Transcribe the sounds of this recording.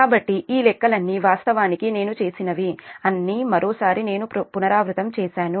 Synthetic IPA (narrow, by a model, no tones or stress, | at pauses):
aːbɐʈːiʔiːlɛkːɐlɐnːiʋaːst̪ɐʋaːnikine̞ːnut͡ʃe̞ːsinɐʋiɐnːiːmɐɾoːsaːɾine̞ːnupunɐɾaːʋɾut̪ɐmt͡ʃɛːʃaːnu